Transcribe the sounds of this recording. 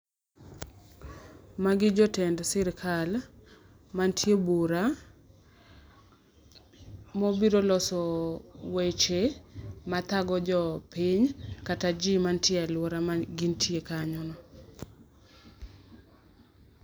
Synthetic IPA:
maɡɪd͡ʒɔtɛndsɪɾkʰal | mantʰjebuɾa | mobiɾolɔsɔwet͡ʃemat̪aɡɔd͡ʒɔpɪɲkatad͡ʒimantjealwɔɾamaɡɪntʰjekaɲɔnɔ

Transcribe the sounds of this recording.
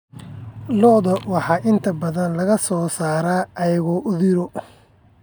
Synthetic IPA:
lɔðɐwɑħɑːʔɪnt̪ʰɐbɐðɐnlɐɣɐsɔːsaːɾaːʔɐjɐɣɔːʔʊðɪɾɔ

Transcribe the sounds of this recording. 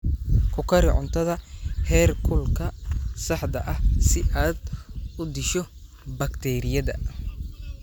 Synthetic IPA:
kʰʊkʰɐɾɪʕʊ̰nt̪ʰɐðɐhɛːrkʰʊlkʰɐsɑħd̪ɐʔɐhsɪʔaːd̪ʊd̪ɪʃɔ | bɐkt̪ʰɛːɾɪjɐðɐ̰

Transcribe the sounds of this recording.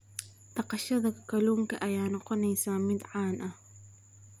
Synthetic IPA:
t̪ɑqɑʃɐðɐkʰɐluːŋkʰɐʔɐjaːnɔqɔnɛjsaːmɪd̪ʕaːnʔɐh

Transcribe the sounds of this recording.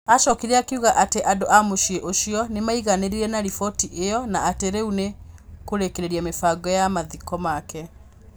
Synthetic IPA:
aʃɔkiɾeakeuɣaʔateʔadoʔamoʃieʔoʃiɔnemaiɣaneɾiɾɛnaɾifɔtiʔejɔnaateɾeunekoɾekeɾeɾiamefaŋɡɔjamaðikɔmakɛ

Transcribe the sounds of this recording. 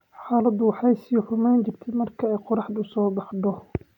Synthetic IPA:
ħaːlɐd̪ʊwɑħɛjsiːħʊmaːnt͡ʃɪrt̪ʰɛmɐrkʰɐɛjqʊɾɑħd̪ʊsɔːbɑħd̪ɔ

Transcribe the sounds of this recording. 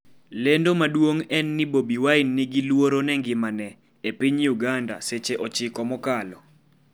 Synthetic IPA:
lendomadwoŋɛnːɪbobiwaɪnːɪɡilwoɾonɛŋɡɪmanɛ | epiɲjuɡanda̰set͡ʃeʔɔt͡ʃɪkɔmɔkalɔ

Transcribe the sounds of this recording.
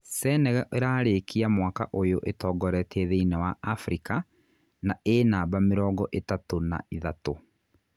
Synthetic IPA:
sɛːnɛɣɛʔeɾaːɾekʰiamwakaʔojoʔetɔːɡɔɾɛtʰeðeinɛwaafɾika | naenaːbameɾɔːɡɔʔetatona̰iðato

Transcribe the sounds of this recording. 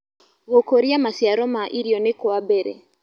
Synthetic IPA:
ɣɔkɔɾiamasiaɾɔmaʔiɾiɔnekɔabɛɾɛ̰

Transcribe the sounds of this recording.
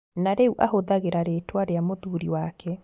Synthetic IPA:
naɾeuʔahoðaɣeɾaɾetwaɾeamoðuɾiwakʰɛ

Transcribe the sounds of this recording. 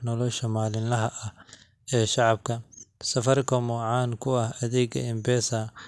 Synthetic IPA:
nɔlɔʃɐmaːlɪnlɐɦɐʔɐ | ɛːʃɑʕɑb̚kʰɐsɐfɐrkʰɔmɔːʕɑːnkʰʊɐhɐðɛːɡɐ̰ɪmbɛːsɐ

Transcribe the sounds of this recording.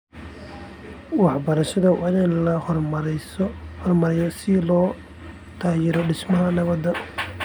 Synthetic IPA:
wɑħbɐɾɐʃɐðɐwɑnɛnlɐhmshrmɐɾɛjɔsɪlɔː | t̪ʰaːjɛɾɔɖɪsmɐɦɐnɐβɐd̪ɐ

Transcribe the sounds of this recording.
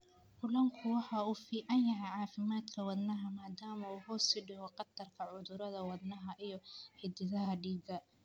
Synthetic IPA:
kʰʊlɐŋkʰʊwɑħɑːuːfiːʕɑnjɐɦɛjʕɑːfɪmaːd̪kʰɐwɑd̪nɐɦɐmaːd̪aːmɐuːɦɔːsɪɖɪhɔqɑt̪ɐrkʰɐʕʊðʊɾɐðɐwɑd̪nɐɦɐʔijɞħɪd̪ɪðɐɦɐɖiːɡɐ

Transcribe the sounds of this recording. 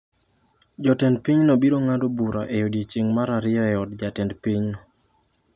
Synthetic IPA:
d͡ʒɔtɛndpiɲnobiɾoŋadobuɾaʔejodit͡ʃɪŋmaɾaɾɪɔɛɔdd͡ʒatɛndpiɲn

